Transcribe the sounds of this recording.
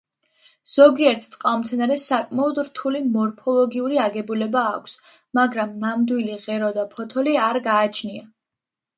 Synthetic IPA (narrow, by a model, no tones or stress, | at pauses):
z̥ɔɡiɛɾt̪ʰt̪sʼqʼalˠɔmt̪sʰɛnaɾɛsakʼmaɔd̪ɾt̪ʰulimɔɾpʰɔlˠɔɡiuɾiaɡɛbulɛbaːkʷʰs | maɡɾamnamd̪wiliʁɛɾɔd̪apʰɔt̪ʰɔliaɾɡaːt͡ʃʰnia